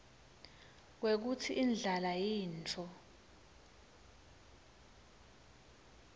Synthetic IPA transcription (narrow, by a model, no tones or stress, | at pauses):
k̬wek̬utʰiʔind͡ɮʱalajiːnt͡fʰɔ